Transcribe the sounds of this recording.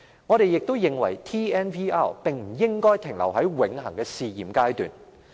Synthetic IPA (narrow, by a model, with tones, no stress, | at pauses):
ŋɔ˨˧ɾe˨jːɪ˨k̚t̪o˥wjɪ˨ŋwɐ˨˩jt̪ʰiː˥ɛː˥npiː˥aː˥˩wpɪ˨ŋm̩˨˩jɪ˥ŋkɔː˥jt̪ʰɪ˨˩ŋlɐ̰˨˩wɦɐ˨˥jwɪ˨˧ŋhɐ̰˨˩ŋkɛː˧siː˨˧jiː˨mkaː˥jt̪y̰ː˨˩n